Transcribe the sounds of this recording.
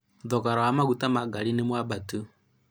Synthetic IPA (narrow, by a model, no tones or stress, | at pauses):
ðɔkaɾaamaɣutamaɡalinemwabatu